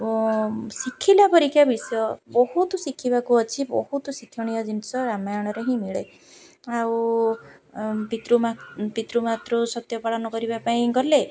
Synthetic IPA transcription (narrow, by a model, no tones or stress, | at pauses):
sikʰilapɔɾikʰːjabisɔjɔbɔɦut̪ɔsikʰibakuɔt͡ʃʰibɔ̰hut̪ɔsikʰɔɽ̃ijɔd͡ʒinisɔɾamajɔɽ̃ɔɾeɦĩmiɭe | aw | pit̪ɾumapit̪ɾumat̪ɾusɔt̪jɔpaɽɔnɔkɔɾibapaĩɡɔɾle